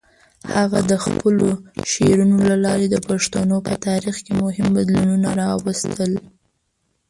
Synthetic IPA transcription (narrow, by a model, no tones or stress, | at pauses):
haɣad̪əxpəloʃeɾunolalɑɾed̪əpaʂt̪anopət̪ɑɾixkemʊɦɪmbad̪lununaɾɑwəst̪ʰəl